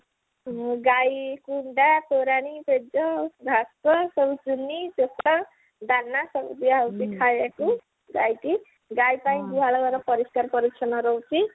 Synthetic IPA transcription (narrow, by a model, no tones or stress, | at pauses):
ɡajkuɳɖat̪oɾaniped͡zʌɡʱaskʌsʌbt͡sunːid͡zesa | d̪anːasʌbb̪iɦawt̪ikʰajeko | ɡajt̪i | ɡajpaĩd̪uɦalaɡʌɾnʌpʌɾiskarpʌɾikt͡ʃʰʌnʌɾowt͡si